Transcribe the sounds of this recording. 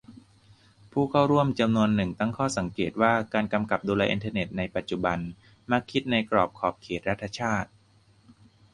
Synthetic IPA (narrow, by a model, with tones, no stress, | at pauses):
pʰuː˥˩kʰa˥˩wɾu˥˩əmt͡ɕa˧mnu˧ənːɯ˨˩ŋt̪a˥˩ŋkʰɔː˥˩sa˩˦ŋkeː˨˩t̪̚waː˥˩kaː˧nka˧mka˨˩p̚duː˧lɛː˧ʔḭ˧nt̪ʰaː˧ne˨˩t̪̚na˧jpa˨˩t̪̚t͡ɕu˨˩ba˧n | ma˥˩kʰːi˦˥t̪̚na˧jkɾɔː˨˩p̚kʰɔː˨˩p̚kʰeː˨˩t̪̚ɾa˦˥t̪ʰːa˧t͡ɕʰaː˥˩t̪̚